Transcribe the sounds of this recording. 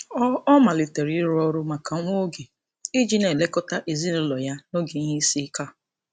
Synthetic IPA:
ɔ˦ma˨lɪ˨te˨ɾi˦ɾʊ˦ɔ˦ɾʊ˦ma˨ka˨ŋʷo˦ɡe˨ | ɪ˦d͡ʒi˦ne˨le˦kɔ˦ta˦ʔe˨zi˦ne˦lɔ˨ja˦no˦ɡe˨ɲ˦i˦si˦ka˦˨

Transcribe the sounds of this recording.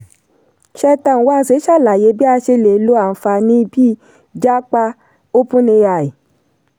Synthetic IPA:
ʃɛ˧ta˧˨wa˨˦˧se˨˦ʃa˦˨la˨je˨˦bi˦a˧ʃe˧le˨˦lo˨˦a˦˨n̩˨fa˧nĩ˦˧bi˦ | d͡ʒa˦k͡pa˧ | o˦pũ˦nĩ˧ja˧˨e˨

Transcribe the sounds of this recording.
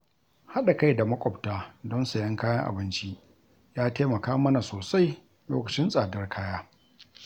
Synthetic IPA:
ha˦ɗa˨ka˦jda˨mɐ˦kʷʼɔ˨ptaː˦dɔ˦nsa˨jɐ˦ŋkaː˦jɐ˦ŋʔa̰˨bɪ˦nt͡ʃi˦ | jaː˦teː˦mɐ˨kaː˦mɐ˦na˨soː˨sa˦j | lo̰ː˦kɐ˨t͡ʃɪ˦nsʼaː˨dɐ˦rkʰaː˦jaː˦

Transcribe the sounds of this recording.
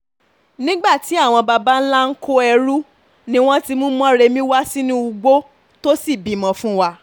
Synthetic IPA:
nĩ˦ɡ͡ba˦˨ti˨˦a˦˨w̃ɔ̃˧ba˧ba˦n̩˦la˦ŋ̩˦ko˦ɛ˧ɾu˦ | nĩ˦w̃ɔ̃˦ti˧mũ˦m˦ɔ̃˦ɾe˧mĩ˦wa˦si˦nĩ˦u˧ɡ͡bo˦ | to˦si˦˨bi˨mɔ̃˨˦fũ˦wa˦˧

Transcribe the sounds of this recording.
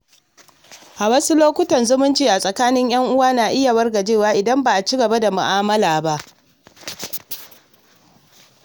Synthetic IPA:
ʔa˨wɐ˦su˦loː˦kʷʊ˦tɐ˨nzʊ˦mʊ˦nt͡ʃiː˨ʔa˨sʼɐ˨kaː˦nɪ˦ɲj̰ɐ˦ŋʔʊ˦waː˦naː˨ʔɪ˦ja˨wɐ˦rɡa˨d͡ʒeː˦˨waː˦ʔɪ˨dɐ˦mbaː˨ʔa˨t͡ʃi˦ɡɐ˨ba˦da˨mʊ˨ʔaː˦mɐ˦laː˨ba˦ʔ

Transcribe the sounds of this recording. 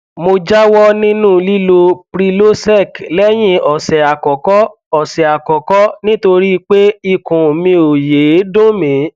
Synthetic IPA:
mo˧d͡ʒa˦wɔ˦nĩ˦nũ˦˨li˦lo˧pɾi˧lo˦sɛ˦˨klɛ˦j̃ĩ˦ɔ˨sɛ˨a˨kɔ˨kɔ˦ | ɔ˨sɛ˨a˨kɔ˨kɔ˦nĩ˦to˧ɾi˦˧k͡pe˦i˦˨kũ˨mĩ˧o˨je˨˦dõ˦mĩ˨˦

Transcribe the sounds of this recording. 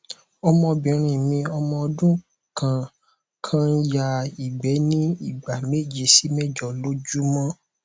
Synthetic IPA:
ɔ˧mɔ̃˧bĩ˨˦ɾ̃ĩ˧˨mĩ˧ɔ˧mɔ̃˧ɔ˧dũ˦ | kʰã˨ | kʰã˦n̩˦ja˦˨i˨ɡ͡bɛ˨˦nĩ˦i˦˨ɡ͡ba˨me˦˨d͡ʒi˨si˨˦mɛ˦˨d͡ʒɔ˨lo˦d͡ʒu˦mɔ̃˦

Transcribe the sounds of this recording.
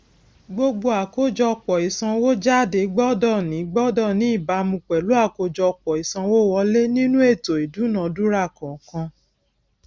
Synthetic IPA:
ɡ͡bo˧ɡ͡bo˧a˨ko˦d͡ʒɔ˧k͡pɔ˨i˨sã˧wo˦d͡ʒa˦˨de˨˦ɡ͡bɔ˦dɔ˦˨nĩ˨˦ɡ͡bɔ˦dɔ˦˨nĩ˨˦i˦˨ba˧mũ˧k͡pɛ˨lu˨˦a˦˨ko˧d͡ʒɔ˧k͡pɔ˨i˨sã˧wo˦wɔ˧˦le˦nĩ˦nũ˦e˦˨to˨i˨du˨˦nã˨du˦ɾa˦˨kɔ̃˨kã˧

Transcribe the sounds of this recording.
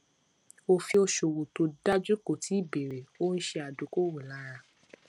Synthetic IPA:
o˧fi˧o˧ʃo˨wo˨to˧da˦d͡ʒu˦ko˨ti˨˦i˦˨be˨ɾe˨o˦n̩˦ʃe˧a˨du˨˦ko˦wo˨la˨˦ɾ̃ã˧

